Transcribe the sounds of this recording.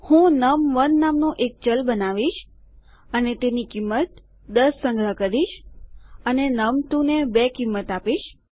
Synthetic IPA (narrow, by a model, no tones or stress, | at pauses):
hũnəmʋənːamnũʔek̚t͡ʃəlbənaʋiʃ | ənet̪enikimːət̪ | d̪əsːə̃ŋɡɭəkəɾiʃ | ənenəmt̪ũnebekimːət̪apiʃ